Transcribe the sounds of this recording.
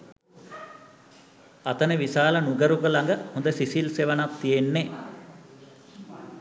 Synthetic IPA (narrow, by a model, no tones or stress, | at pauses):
at̪ənəʋisaːlənuɡəɾuɡəlaŋɡəhõnd̪əsisilseʋənap̚t̪ijenːe